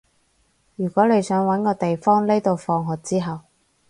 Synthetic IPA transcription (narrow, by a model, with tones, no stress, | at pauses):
jyː˨˩kʷɔː˨˥le˨˧jsœː˨˥ŋwɐ˨˥nkɔː˧t̪e˨jfɔː˥ŋle˥jt̪o˨˧wfɔː˧ŋɦɔː˨˩k̚t͡siː˥ɦɐ˨w